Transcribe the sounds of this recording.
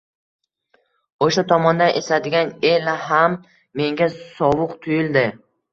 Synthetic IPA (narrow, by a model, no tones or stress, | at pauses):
oʃat̪ʰɒmɒnd̪anʔesad̪ɪɡʲanelaɦamː | e̞ŋɡʲasɒwʊqt̪ʰʊjɪld̪ɪ